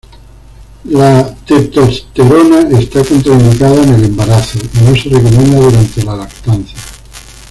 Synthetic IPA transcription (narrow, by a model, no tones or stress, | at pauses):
lat̪et̪ost̪eɾonaest̪akont̪ɾainokaðaenele̞mbaɾaθonoserekomẽnd̪aðuɾant̪elalakt̪anθja